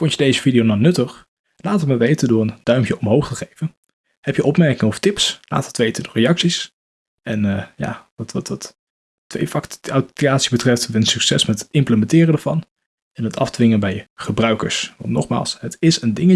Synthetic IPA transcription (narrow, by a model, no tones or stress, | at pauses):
fɔntədejzəvidiownɔnɵtəχ | laːtʋəməʋejtəndʊːɹənd̥œɥmkjəɔmɦowχtəχejvən | hɛpjəʔɔpmɛɹkɪŋəɔftɪpsla̰ːtətʋejtəndʊːrejɑksis | ɛnəja̰ʋɑtʋɑtɑt | tːʋḛjfɑkatyaːtsibətrɛftʋənsyksɛsmɛtɪmpləmɛntɪːrəndəɹvɑn | ɛnɦətʰɑ̰fdʋɪŋənbɛjχəbrœɥkə̰ɹsʋɑ̰ntnɔ̰χma̰ːlˠsɦətɪsəndɪŋə